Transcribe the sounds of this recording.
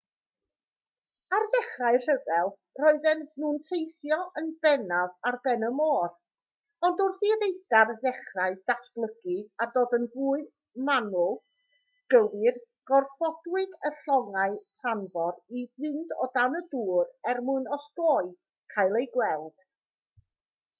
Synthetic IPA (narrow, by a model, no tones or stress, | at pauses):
arðɛχraɨr̥əvɛlˠ | rɔɨðɛnnuːntʰejθjɔʔənbɛnavarbɛnəmɔːr | ɔndʊrθirejd̥arðɛχraɨd̥asb̥lˠəɡiadoːdənvuːɨð | manʊlˠ | ɡ̥əvɨr | ɡ̥ɔrfɔdwɨdəɬɔŋaɨtʰanvɔɾibɪndɔ̰danəduːrɛrmʊɨnɔsdoːɨ | kʰajlˠejɡwɛlˠd̥